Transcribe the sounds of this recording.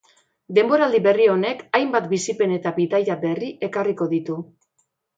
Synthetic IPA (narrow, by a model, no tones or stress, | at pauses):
d̪e̞mbo̞ɾald̪iβe̞rio̞ne̞kajmbat̪bisipe̞ne̞t̪aβiðajabe̞riʔe̞kariko̞ðit̪u